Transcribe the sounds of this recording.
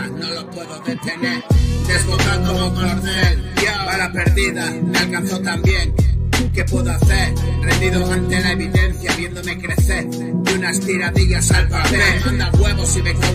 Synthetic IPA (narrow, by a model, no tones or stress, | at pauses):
nolopwe̞ðoðet̪e̞neɾd̪e̞zβot̪and̪oomaoɾðeljaaɾape̞ɾðiðamealkanθot̪ambje̞ŋke̞pwe̞ðoaθe̞ɾɾend̪iðoant̪elae̞βiðe̞n̟θjaβje̞nd̪o̞me̞kɾe̞θe̞ɾ | dunast̪iɾaðiʎasalpaβemãnd̪aɣwe̞βosiβeko